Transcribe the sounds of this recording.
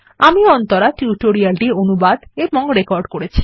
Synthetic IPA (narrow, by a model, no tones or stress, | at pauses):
amiɔnt̪oɾaʈjuʈoɾialʈionubad̪emɔŋɡoɾekɔɾɖkoɾet͡ɕʰi̥